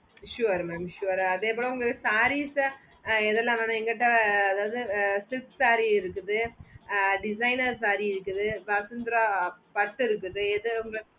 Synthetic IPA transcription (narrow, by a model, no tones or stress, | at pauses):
ʃuːɐɾmɛmʃuɐɾɐðeːpoːɭɐ̃ʊŋɡɐɭɯkːɯsaːɾisa | ɛðɛlːãnaːnɐ̃ɛŋɡɐʈːɐɐðaːʋɐðɯsɪpsaːɾiɪɾɯkːɯðɯ | ɖɪsɐɪnɐɾsaːɾiɪɾɯkːɯðɯʋɐsɯnd̪ɾaːpɐʈːɪɾɯk̬ːɯðɯɛðɯʊŋɡɐɭɐ